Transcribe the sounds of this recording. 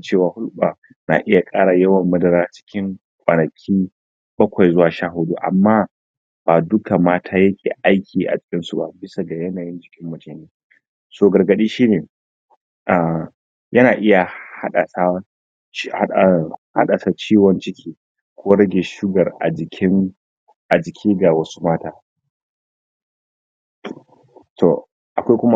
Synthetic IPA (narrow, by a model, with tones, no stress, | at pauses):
t͡ʃeː˦˨waː˨hʊ˦lɓaː˨ | na̰ː˨ʔɪ˦ja˨kʼaː˦ɽa˨jɐ˦wɐ˨mːɐ˦dɐ˨ɾaː˦t͡ʃɪ̥˦kʲɪ˦ŋ | kʷʼɐ˨nɐ˨kʲʰiː˦ | bɐ˦kʷa˨jzʊ˦waː˨ʃaː˦ɦʊ˨˦du˦ʔa̰˨mːaː˦ | baː˨dʊ˦ka˨maː˦tʰaː˦jɐ˦kʲʰḛː˨ʔa˦jkʲʰiː˨ʔa̰˨t͡ʃɪ̥˨kʲɪ˦nsu˨ba̰˦bɪ˦sa˨ɡa˨jɐ˦naː˨jɪ˦nd͡ʒɪ˨kʲɪ˦mːɐ˨t͡ʃeː˨neː˦ | soː˨ɡɐ˨rɡɐ˨ɗiː˦ʃiː˦neː˨ | ʔa˨ | jɐ˦naː˨ʔɪ˦ja˨ha˦a˨sa˦˨ | ha̰˦ɗa˨sa˨t͡ʃiː˦wɔ˦nt͡ʃɪ˦kʲʰiː˦ | kʷoː˦ɽɐ˦ɡʲe˨ʃʊ˦ɡɐ˨rʔa˨d͡ʒɪ˨kʲʰɪ˦ŋ | ʔa˨d͡ʒɪ˨kʲʰiː˦ɡa˨wɐ˦su̥˦maː˦taː˦ | tʰo̰˨ | ʔa˨kʷa˦jkʷʊ˦ma˦